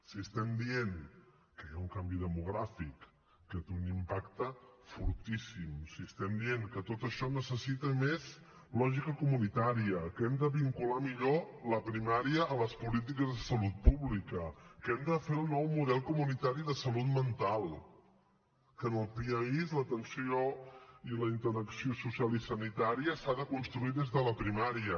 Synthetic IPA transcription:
siəst̪ɛmd̪ieŋ | kəjauŋkambiðəmuɣ̞ɾafikː | ət̪eunimpakt̪əfuɾt̪isimsiəst̪ɛmd̪ieŋkət̪ot̪əʃɔnəsəsit̪əmez | lɔʒikəkumunit̪aɾiəkɛmd̪əβiŋkulamiʎoləpɾimaɾiəːləspulit̪̬ikəzððəsəlut̪̚puβlikəkɛmd̪əfelˠnɔwmuð̞ɛlˠkumunit̪aɾiðəsəlut̪mənt̪alˠ | kənəlˠpiəizlət̪ənsioiləint̪əɾəksiosusjalˠisənit̪aɾiəsaðəkunst̪ɾuiðezðələpɾimaɾiə

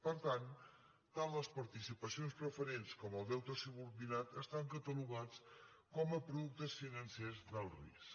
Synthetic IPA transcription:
pəɾt̪an | t̪ːalləspəɾt̪isipəsionspɾəfəɾenskɔməlˠd̪ɛwt̪osuβuɾβinat̪əst̪aŋkət̪əluɣ̞at͡s | kɔməpɾuðuk̚t̪əsfinənsezd̪əlˠrḭs

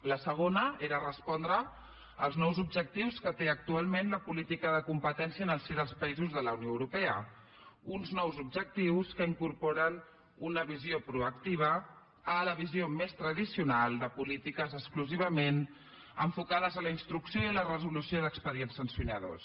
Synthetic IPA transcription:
ləsəɣ̞onəeɾərəspɔnd̪ɾə | əlˠznɔwzub̚ʒək̚t̪iwskət̪eək̚t̪ualˠmenləpulit̪ikəðəkumpət̪ɛnsiənəlˠsiðəlˠspəizuzðələwnjoəwɾupɛə | unznɔwzub̚ʒək̚t̪iwskəiŋkuɾpoɾən | unəβiziopɾuəkt̪iβ̞əː | ləβ̞iziomest̪ɾəðisiunalˠd̪əpulit̪ikəzəskluziβ̞əmen | ə̰ɱfukað̞əzələinst̪ɾuksjoilərəzulusioðəkspəɾiɛnsənsjunəðo̰s

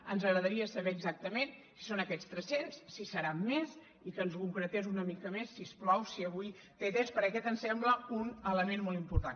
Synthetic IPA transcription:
ənzəɣɾəðəɾiəsəβɛːɡzak̚t̪əmensi̥sonəkɛt͡st̪ɾəsensːisəɾamːes | ikənzkuŋkɾət̪ezunəmikəmesːisplɔwsiəβuj | t̪et̪enspəɾəkɛt̪ənsɛmbləunələmenmɔlˠimpuɾt̪an

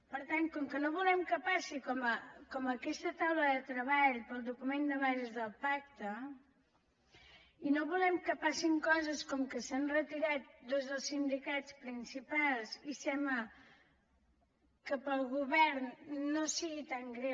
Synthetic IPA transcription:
pəɾt̪ankɔmkənoβulɛmkəpasikɔməkɔməkɛst̪ət̪awləðət̪ɾəβaʎpəlˠd̪ukumend̪əβazəzðəlˠpak̚t̪ə | inoβulɛmkəpasiŋkɔzəskɔmkəsanrət̪iɾat̪̚d̪ozðəlˠsind̪ikat͡spɾinsipalˠzisɛmlə | kəpəlˠɣuβɛɾnːosiɣit̪aŋɡɾe

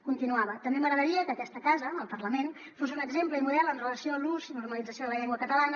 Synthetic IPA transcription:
kunt̪inuaβət̪əmbeməɣɾəðəɾiəkəːkɛst̪əkazəːlˠpərləmen | fosunəɡzempləimuðɛlˠənrələsioəluzinurməlid͡zəsioðələʎɛŋɡwəkət̪əlanə

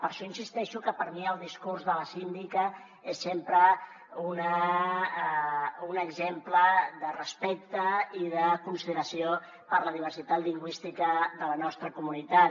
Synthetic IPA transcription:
pəɾʃɔinsist̪ɛʃukəpəɾmiəlˠd̪iskurzðələsind̪ikə | esːempɾə | unə | unəɡzempləðərəspɛk̚t̪əiðəkunsiðəɾəsio | pəɾləð̞iβəɾsit̪at̪liŋɡwist̪ikəðələnɔst̪ɾəkumunit̪at

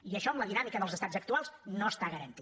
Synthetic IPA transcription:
iəʃɔəmləðinamikəðəlˠzəst̪azək̚t̪ualˠznoəst̪aɣəɾənt̪i

